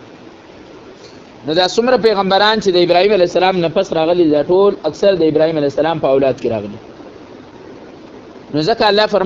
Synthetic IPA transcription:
nod̪ɑsʊmɾap̬eɣambaɾɑnt͡ʃed̪əɪbɾɑhimalajsalɑmnapasɾɑɣəlid̪ɑʈolaksaɾd̪əɪbɾɑhimalajsalɑmpəawlɑd̪̚keɾɑ̰ɣəli | nozəkaːlːɑfaɾ

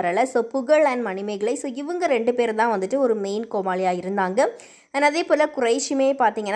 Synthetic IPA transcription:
ɐɾɐlɐsoːpʊɣɐɭɐːnmɐnɪmɐɪɣɐɭɐɪsoːɪʋɐŋɡɐɾɛɳɖɯpeːɾt̪ãːʋɐnd̪ɯʈːɯɔɾɯmeːnkoːmaːɭɪjaːjɪɾɯnd̪aːŋɡɐ | ɐnɐðeːpoːlɐkʊrɐɪʂɪmeːpaːɾt̪iːŋɡɐnː

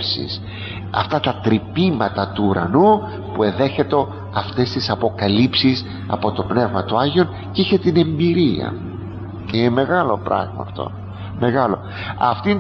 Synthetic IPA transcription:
sḭs | ɐ̰ft̪ɐt̪ɐt̪ɾipimɐt̪ɐt̪uːɾɐ̰nu | pue̞nðe̞çe̞t̪eo̞ | ɐft̪e̞st̪isɐpo̞kɐlipsis | ɐ̰po̞t̪o̞pne̞vmɐt̪oɐʝio̞n | ceiçe̞t̪ine̞mbiɾiɐ̰ | ceineme̞ɣɐlo̞pɾɐ̰ɣmɐ̰ːft̪o̞̰ | me̞ɣɐlo̞ | ɐft̪in

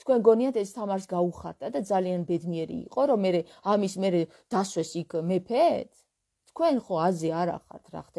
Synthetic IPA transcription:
t̪ʰkʰwɛnɡɔniat̪ʰɛst̪ʰamaɾs̬ɡauχaɾt̪ʼad̪ad̪zalianbɛd̪niɛɾḭːqʼɔɾɔmɛɾɛ | amismɛɾɛ | d̪̥aswɛsikʰmɛpʰɛt̪ʰ | t̪ʰkʰwɛnχɔazɛaɾa̰χa̰ɾt̪ʰɾa̰χd̪ɛ

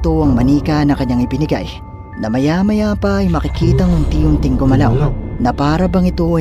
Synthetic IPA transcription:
t̪o̞ɐŋmɐniːkɐnɐkɐɲːaŋɪbɪnɪɡa̰j | nɐmɐjamɐjapɐːjmɐkɪkiːt̪ɐŋʊnt̪iːjʊnt̪ɪŋɡomɐlawnɐpaːɾɐbɐŋɪt̪o̞

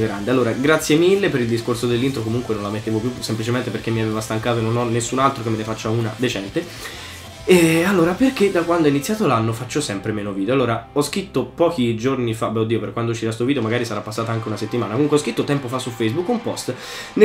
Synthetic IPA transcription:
ɡɾand̪ealːoːɾaɡɾat̪sːjemilːepeɾild̪iskorsod̪elːint̪ɾokomuŋkwenõnlamet̪ːeːvopjusemplit͡ʃement̪eperk̟emːiavevast̪aŋkaːt̪oenːonɔnːesːunalt̪ɾokemːenefat͡ʃːauːnad̪et͡ʃɛnt̪e | ɛalːoːɾaperked̪akwand̪ɔinit̪sːjaːt̪olanːofat͡ʃːosɛmpɾemeːnoviːd̪eoalːoːɾaɔskɾit̪ːopɔːkid͡ʒornifabɛod̪iːoperkːwand̪out͡ʃiɾast̪ovid̪eomaɡaːɾisaɾapːasːaːt̪aaŋkeunaset̪ːimaːnakomuŋkweɔskɾit̪ːot̪ɛmpofasːufɛjzbukːumpɔst̪ | n

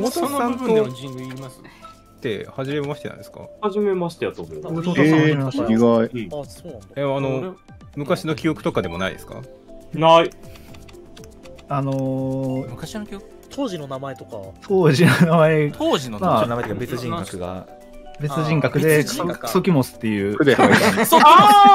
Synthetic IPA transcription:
mot̪onsãnt̪o | s | t̪ːe̞̰haʑime̞maɕi̥t̪eã̰nd̪eska̰haʑime̞maɕi̥t̪ejat̪ːomot̪ːimeaɕiɡaioːñeano̞ | mɯ̟kaɕino̞kʲio̞kɯ̟t̪o̞kad̪e̞mo̞na̰ḭd̪e̞sɨ̥ka̰ | nai | ano̞mɯkaɕiok | t̪ʰoːʑino̞namaet̪o̞kat̪ʰoːʑinonamaeoːinomaaat̪ːbet͡sɨʑĩŋɡakɯɡa̰ | be̞t͡sɨʑĩŋkakɯ̟d̪e̞o̥so̞kʲimosɨ̥t̪ːe̞jɯ̟ːɯd̪ehaoa

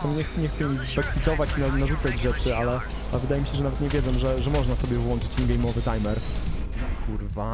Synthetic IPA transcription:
t̪ɔmɲɛxt̪ɲɛxt̪sɛmmizbɛksʲit̪ɔvat͡ɕinanaʐut̪sad͡ʑʐɛt͡ʂɘalɛ | alɛvɘd̪ajɛmʲiɕɛʐɛnavɛt̪ɲɛvʲjɛd̪zɔmʐɛʐɛmɔʐnasɔbʲjɛvwɔnt͡ʂɘ̥t͡ɕɛnɡɛjmɔvɘt̪ajmɛɾ | kuɾva

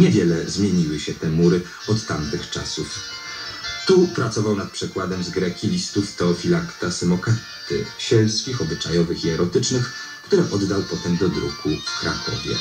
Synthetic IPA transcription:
ɲɛvʲjɛlɛzmʲjeɲiwɘɕɛt̪ɛmuɾɘ | ɔt̪ːamt̪ɘxt͡ʂa̰suf | t̪upɾat̪sɔvawnat̪̚pʂɛkwad̪ɛmzɡɾɛkʲilʲist̪uft̪ɔfʲilakt̪asɛmɔka | t̪ɘ̰ɕɛlskʲixɔbɘt͡ʂajɔvɘxiɛɾɔt̪ɘt͡ʂnɘx | kt̪uɾɛʔɔd̪ːawpɔt̪ɛmd̪ɔd̪ɾukukɾa̰kʰɔ̰vʲjɛ̰

